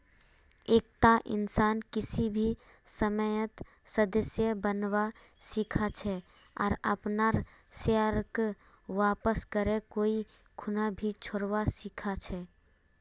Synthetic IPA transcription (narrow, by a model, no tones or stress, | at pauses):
eːk̚t̪aʔɪ̰nsaːnkɪsibʱi | səməjət̪ | səd̪əsjəbənwa | sikʰat͡ʃʰɛ | ɔ̰ːɾə̰pnaɾ | seəɾk | ʋaːpəskəɾekoːi | kʰʊnabʱit͡ʃʰoɾwasikʰat͡ʃʰɛ